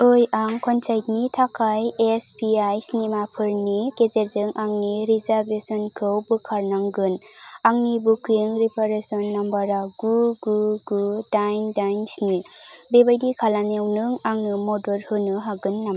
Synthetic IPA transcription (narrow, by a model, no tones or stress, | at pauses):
ɯjaŋkʰɔnsajtnitʰakʰajespiajsnimapʰɯɾnikezeɾzɯŋʔaŋniɾizaɾbesɔnkʰɯwbɯkʰaɾnaŋɡɯnaŋnibukʰiŋɾipʰaɾesɔnːambaɾaɡuɡuɡudajndajnsnibebajdikʰalanewnɯŋaŋnɯmɔdɔɾhɯnɯɦaɡɯnːam